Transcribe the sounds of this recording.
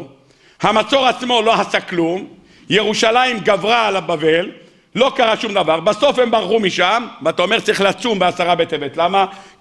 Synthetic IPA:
hamat͡so̞ʁat͡smo̞lo̞hasaklum | je̞ʁuʃalajimɡavʁaːlabave̞lː | o̞kaʁaʃumd̪avaʁbaso̞fhe̞mbaʁχumiʃamveat̪aome̞ʁt͡saɐʁiχleat͡sumbeasaʁabet̪evet̪lama

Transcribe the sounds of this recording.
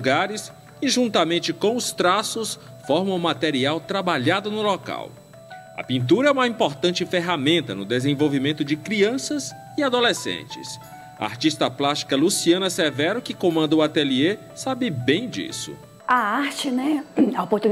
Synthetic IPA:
ɡaɾɪs | ɪʒũt̪ɐmẽnt͡ʃɪkõw̃ʊst̪ɾasʊs | fɔɾmɐ̃w̃ũmat̪eɾiawt̪ɾabaʎad̪ʊnʊlɔka̰w | ɐ̰pĩnt̪uɾɐɛũmɐĩpoɾt̪ɐ̃nt͡ʃɪfeɦamẽnt̪ɐnʊd̪ezẽvowvimẽnt̪ʊd͡ʒɪkɾiɐ̃sɐz | ɪad̪olesḛ̃nt͡ʃɪ̰s | ɐ̰a̰ɾt͡ʃist̪ɐplast͡ʃi̥kɐlusiɐ̃nɐsɛvɛɾʊkɪkõmɐ̃nd̪ɐuat̪elie | sabɪbẽj̃d͡ʒḭsʊ̰ | aaɾt͡ʃɪnɛaopoɾt̪u

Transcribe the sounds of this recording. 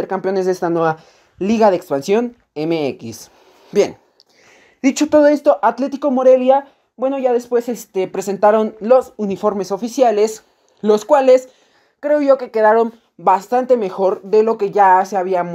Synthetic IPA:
eɾkampjo̞ne̞zðest̪anwe̞βa | liɣaðeːkspansjo̞n | emeekḭs | bje̞̰n | d̪it͡ʃo̞t̪o̞ð̞o̞e̞st̪o̞ʔat̪le̞t̪iko̞mo̞ɾe̞lja | bwe̞no̞ʝaðe̞spwe̞se̞st̪e̞pɾe̞se̞nt̪aɾo̞nlo̞sunifo̞ɾme̞so̞fisjale̞s | lo̞skwale̞s | kɾe̞o̞ʝo̞ke̞ke̞ðaɾo̞n | bast̪ant̪e̞me̞xo̞ɾðe̞lo̞ke̞ʝaseaβiam

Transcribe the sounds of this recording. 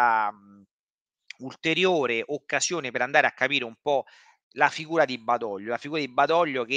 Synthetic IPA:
a | ult̪eɾjoːɾeʔokːazjoːnepeɾand̪aːɾeakːapiːɾeumpɔ | lafiɡuːɾad̪ibːad̪ɔʎːolafiɡuːɾad̪ibːad̪ɔʎːok̟e

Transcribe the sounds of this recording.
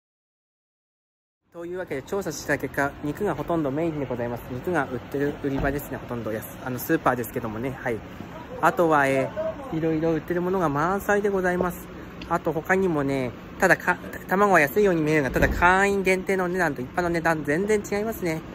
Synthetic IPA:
t̪o̞jɯ̟ːβake̞d̪e̞t͡ɕo̞ːsaɕi̥t̪t̪ake̞kːaɲ̟ikɯ̟ɡaɦo̞t̪õ̞nd̪o̞me̞iɾʲid̪e̞ɡo̞zaimasɨ̥ɲ̟ikɯ̟ɡaʔɯ̟t̪ːe̞ɾɯ̟ɯɾʲibad̪e̞sɨne̞ho̞t̪õ̞nd̪o̞jasɨ̥ano̞sɨːpaːd̪e̞sɨ̥ke̞d̪o̞mo̞ne̞hai | at̪o̞βae̞ː | iɾo̞iɾo̞ɯ̟t̪ːe̞ɾɯ̟mo̞no̞ɡamãɰ̃said̪e̞ɡo̞zaimasɨ̥ | at̪o̞ho̞kaɲ̟imo̞ne̞ | t̪ad̪akʰãt̪amaɡo̞ajasɨijo̞ːɲ̟imieɾɯ̟ŋɡat̪ad̪akʰãĩŋɡẽ̞nt̪e̞ːno̞ne̞d̪ãnt̪o̞ipːano̞ne̞d̪ãnzẽ̞nd͡zẽ̞ɲ̟t͡ɕiɡaimasɨne̞

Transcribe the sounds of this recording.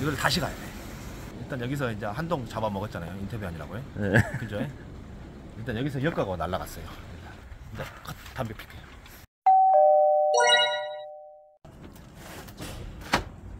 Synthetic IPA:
iɡʌɭtaɕʰiɡajoe | iɭt͈anjʌɡis̬ʰʌind͡ʑehandoŋt͡ɕabamʌɡʌt̚t͡ɕ͈anajointʰʌbjuaɲiɾa̰ɡojekɯd͡ʑoe | iɭt͈anjʌɡis̬ʰʌijʌɭk͈aɡonaɭːaɡa̰s͈ʌjoit͈anind͡ʑekʰʌtt͈ːambjopʰi̥kʰe

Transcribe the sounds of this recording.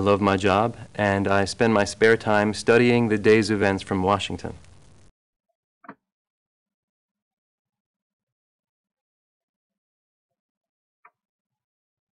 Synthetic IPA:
lʌvmaɪd͡ʒɑbʔɨ̃naɪspɛ̃nmaɪspɛɹtʰãɪ̃mstʌɾiɪ̃ŋðɨdeɪzɨvɛ̃ntsfɹʌ̃mwɑʃɪ̃ŋtʰɨ̰̃n

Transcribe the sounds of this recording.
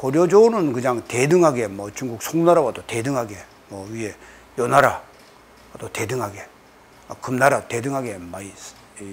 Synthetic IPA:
koɾjod͡ʑonɯnkɯɲaŋte̞dɯŋɦaɡe̞mwʌt͡ɕuŋɡuk̚sʰoŋnaɾawad̪ote̞dɯŋɦaɡe̞ | mwʌwɥiɦe̞ | jʌnaɾa | ad̥ote̞dɯŋɦaɡe̞ | akɯmnaɾate̞dɯŋɦaɡe̞mais

